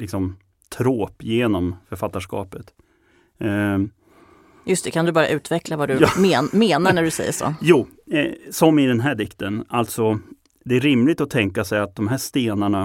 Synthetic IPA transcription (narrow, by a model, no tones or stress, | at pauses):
lɪksɔm | t̪ʰɾoːpjeːnɔmfœɾfat̪ːaʂkɑ̰ːpət̪ | jɵst̪ɛkʰand̪ɵbɑːɾja̰ʔʉ̟ːt̪vɛklavad̪ɵmːmeːnaɳæɖɵsɛ̰jːə̰ʂo̰ːjuː | sɔmɪd̪ɛnɦæːɖɪkt̪ənalt̪sɔ | d̪ɛæɾɪmlɪɡ̚t̪ɔt̪ʰɛŋkasɛjat̪̚d̪ɔmɦæːʂt̪eːnaɳa